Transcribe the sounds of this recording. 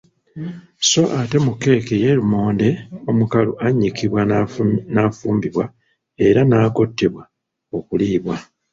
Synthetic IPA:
so̞ʔate̞mukːe̞ːkeje̞ɾumo̞ːnde̞o̞mukaluaɲːikiβwanafuːmbiβwa | e̞ɾanaːko̞tːe̞βwa | okuliːβwa

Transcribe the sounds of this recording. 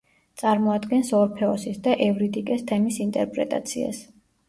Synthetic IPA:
t̪sʼaɾmɔad̪ɡɛnsɔɾpʰɛɔsisd̪aʔɛvɾit̪ʼikʼɛst̪ʰɛmisint̪ʼɛɾpʼɾɛ̰t̪ʼa̰t̪sʰia̰s

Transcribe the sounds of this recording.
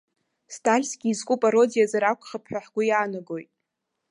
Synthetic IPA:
stʰʼalʲsɡʲiːzkʷʼupʼaɾo̞dijazaɾakʷʰʼχəpʰħᶣʷaħɡʷʊjaːnaɡo̞jtʼ

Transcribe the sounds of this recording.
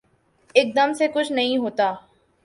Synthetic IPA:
eːk̚d̪əmsekʊt͡ʃʰnɐɦĩɦoːt̪aː

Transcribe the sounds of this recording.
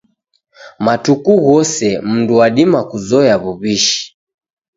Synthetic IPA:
matukuɣɔsɛm̩nduwaɗimakuzɔjaβuβiʃi̥

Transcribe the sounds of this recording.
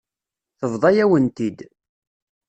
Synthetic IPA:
θəvðˤɑjæwənt̪id̪

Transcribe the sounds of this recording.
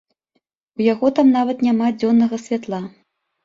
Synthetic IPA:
ujaɣɔt̪amnavɐt̪nʲamad͡zʲɔnːɐɣɐsʲvʲat̪lˠa

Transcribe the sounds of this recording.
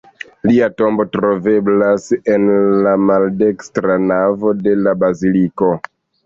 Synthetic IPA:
liato̞mbo̞tɾo̞ve̞blase̞nlamalde̞kstɾanavo̞de̞labaziliko̞

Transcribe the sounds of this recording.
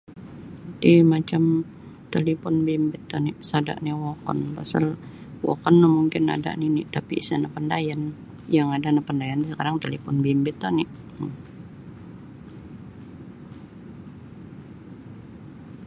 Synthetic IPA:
t̪imat͡ʃam | t̪elipɔnbimbɪt̪ːɔnɪsada̰ʔniwɔkɔ̰npasal | wɔ̰kɔnːahmuŋkɪna̰da̰ʔninɪ̰t̪apḭːsanapəndajan | jaŋadanapəndajant̪isəkaɾaŋt̪elipɔnbimbɪt̪ːɔnɪ

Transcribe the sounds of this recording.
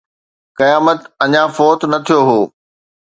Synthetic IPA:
kɐjaːmət̪ɐɲãfɔːt̪nɐt̪ʰijoɦoː

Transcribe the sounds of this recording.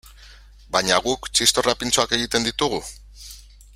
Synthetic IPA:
bajɲaɣukt͡ʃist̪o̞rapint͡so̞ake̞ɣit̪e̞nd̪it̪uɣu

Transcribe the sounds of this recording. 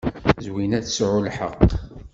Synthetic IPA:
zwinæθsʕʊlħə̰q

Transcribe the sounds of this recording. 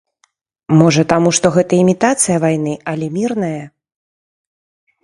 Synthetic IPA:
mɔʐɐt̪amuʂt̪ɔɣɛt̪ɐimʲit̪at̪sɨjɐvajnɨɐlʲɛmʲirnɐjɐ

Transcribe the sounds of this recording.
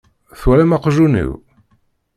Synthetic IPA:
θwælæmɑqʒunḭw

